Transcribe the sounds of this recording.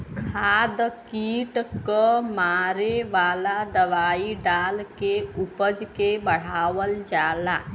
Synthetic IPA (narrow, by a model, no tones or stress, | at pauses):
kʰaːd̪kiːʈkəmaːɾeʋaːlad̪əʋaːiɖaːlkeupəd͡ʒkebəɽ̤aːwəld͡ʒaːlaː